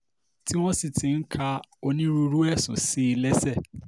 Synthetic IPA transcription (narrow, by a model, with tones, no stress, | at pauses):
ti˦w̃ɔ̃˦si˨tʰĩ˨ŋ̩˦kʰa˦o˦nĩ˦ɾu˦ɾu˦ɛ˦˨sʊ̰̃˨si˦˨lɛ˦sɛ˦˨